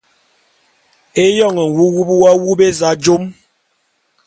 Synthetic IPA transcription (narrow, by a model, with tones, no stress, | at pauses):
e˦jɔ˦˨ŋɛ˨wu˦wu˦bwa˦wu˦be˦za˨˦d͡ʒo˦m